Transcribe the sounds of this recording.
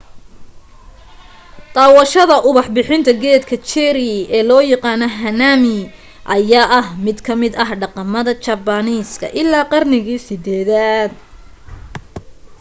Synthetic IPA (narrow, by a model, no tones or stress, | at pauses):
t̪ɑːwɐʃɐðɐʔʊβɑħbɪħɪnt̪ʰɐɡɛːd̪kʰɐt͡ʃɛɾɪɛːlɔːjɑqɑːnɐɦɐnaːmɪ | ʔɐjaːʔɐɦmɪd̪kʰɐmɪd̪ɐɦɖɑqɑmɐðɐt͡ʃɐbɐniːskʰɐ̰ʔɪlːaːqɑrnɪɣiːsɪd̪ɛːðaːd̪